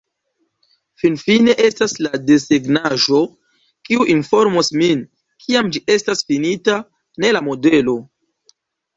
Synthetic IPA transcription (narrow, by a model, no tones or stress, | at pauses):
finfine̞ʔe̞staslade̞seɡnaʒo̞ | kiuʔinfo̞ɾmosmin | kʰiamd͡ʒiʔe̞stasfinita | ne̞lamo̞de̞lo̞